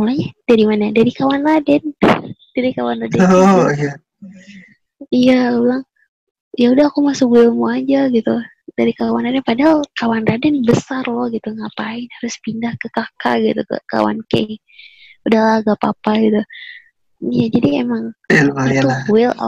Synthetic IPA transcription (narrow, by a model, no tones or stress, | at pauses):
mulaɲad͡ʒ̥aɾimanadaɾikawanladɛnd̥aɾikawanladɛja | ijaulaŋ | jaudahakumasʊkwɪlmuad͡ʒaɡit̪u | daɾikawanladɛnpadaɦalkawanradɛnbəsarlɔhɡit̪uŋapaɪnhaɾʊspindahkəkaka̰ɡit̪ṵka̰ka̰wa̰nkḛ | udahlaɡapapaɡit̪u | ijad͡ʒadiemaŋlawɪla̰